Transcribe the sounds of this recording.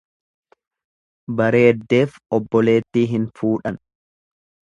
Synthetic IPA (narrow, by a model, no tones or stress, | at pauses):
bɐɾe̞ːd̪ːe̞ːfɔbːɔle̞ːt̪ːiːɦɪnfuːᶑɐn